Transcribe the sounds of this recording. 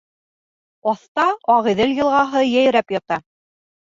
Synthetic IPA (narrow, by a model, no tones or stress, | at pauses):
ɒθt̪ɑɑʁiðɘljɤ̆lˠʁɑɦɤjæj̆ɾæpjɑt̪ɑ